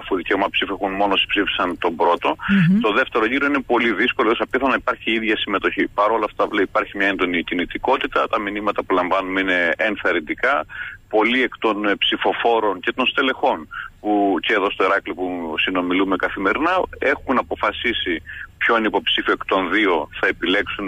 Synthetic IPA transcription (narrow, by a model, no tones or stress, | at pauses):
ɐfuðice̞omɐpsifiexunmo̞nosi̥spsifi̥sɐnt̪o̞bɾo̞t̪o̞t̪o̞ðe̞ft̪e̞ɾo̞ʝiɾo̞ine̞po̞liðisko̞loosɐpiθonɐipɐɾçiiðʝɐsime̞t̪o̞çipɐɾo̞lɐft̪ɐvleipɐɾçimɲɐe̞nd̪o̞nicinit̪iko̞t̪it̪ɐt̪ɐminimɐt̪ɐpulɐɱvɐnumeine̞enθɐɾind̪ikɐpo̞lie̞kt̪o̞npsifo̞fo̞ɾo̞nce̞t̪o̞nst̪e̞le̞xo̞npuceːðo̞st̪o̞iɾɐkliopusino̞milume̞kɐθime̞ɾinɐe̞xunɐpo̞fɐsisipço̞inipo̞psifioekt̪o̞nðio̞θɐepile̞ksun